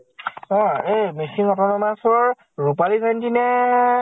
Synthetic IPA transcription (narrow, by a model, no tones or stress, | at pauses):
ɔ̃ejmisiŋɔtɔnɔmasɔɹ | ɹupalikʰantinɛ